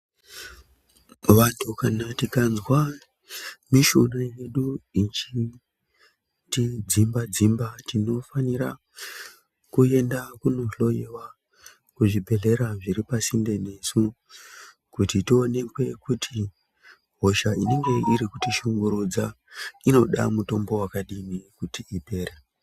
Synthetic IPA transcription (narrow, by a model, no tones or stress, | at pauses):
ʋantʰukanatikanzwa | miʃunaje̞ɗuit͡ʃi | tid͡zimbad͡zimbatino̞faniɾa | kue̞ndakuno̞ɬo̞jewa | kuʐibʱe̞ɮe̞ɾaʐiɾipasinde̞ne̞su | kutitio̞ne̞kwe̞kutʰi | ɦo̞ʃaineŋɡe̞iɾikutiʃuŋɡuɾud͡za | ino̞ɗa̰muto̞mbo̞wakaɗimikutiipe̞ːɾe